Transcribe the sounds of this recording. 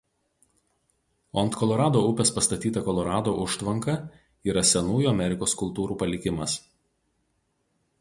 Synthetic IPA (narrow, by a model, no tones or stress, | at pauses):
ɔnt̪kʰɔlˠɔɾɑːd̪oːʊpʲɛspɐst̪ɐt̪ʲiːt̪ɐkɔlˠɔɾɑːd̪oːʔʊʃt̪ʋɐŋkɐ | iːɾɐsʲɛnuːjuːɐmʲɛɾʲɪkoːskʊlˠt̪uːɾuːpɐlʲɪkʲɪmɐs